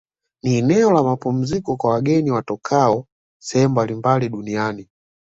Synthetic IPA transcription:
niːnɛɔlamapum̩zikɔkwawaɡɛniwatɔkʰaɔ | sɛɛmbalimbaliɗuniani

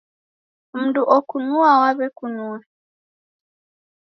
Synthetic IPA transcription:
m̩duʔɔkunuawaβɛkunuwɛ

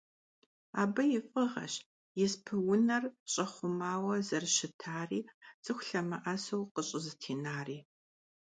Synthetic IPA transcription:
aːbɐjɪfʼɨʁɐ̰ɕ | jɪspʰɨwʊnɐrɕʼɐχʷʊmaːwɐzɐrʃɪtʰaːriːt͡sʼɨxʷɬɐmɐʔɐsowqəɕʼɪzɨtʰiːnaːriː

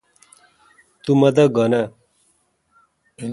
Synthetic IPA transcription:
t̪umʌd̪ʌɡʌna

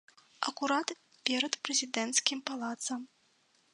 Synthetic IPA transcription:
ɐ̰kuɾat̪ | pʲɛɾɐt̪pɾɛzʲid̪ɛnt̪skʲimpalˠat̪sɐm

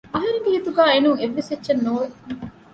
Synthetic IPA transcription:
ɐɦɐɾeŋɡeɦit̪uɡæːenuŋeʋːesetːʃɐnːoːʋe

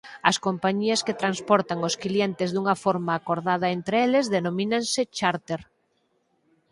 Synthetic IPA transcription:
ɐskompaɲiɐsket̪ɾanspɔɾt̪aŋoskljent̪ɪzðuŋɐfɔɾmaːkoɾðað̞ɐent̪ɾeelɪzðenominaŋsɪt͡ʃaɾt̪eɾ

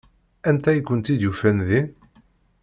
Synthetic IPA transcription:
ænt̪æjkːənt̪id̪jufænði

